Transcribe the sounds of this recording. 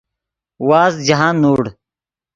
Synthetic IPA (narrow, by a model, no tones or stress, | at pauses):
waːzd͡ʑɐɦaːnːuːɽ